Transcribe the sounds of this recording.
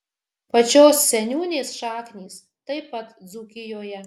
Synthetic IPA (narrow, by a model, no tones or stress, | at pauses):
pɐt͡ʃʲoːssʲɛnʲuːnʲeːsʃɑːknʲiːs | t̪ɐɪpːɐt̪d̪zuːkʲɪjoːjɛ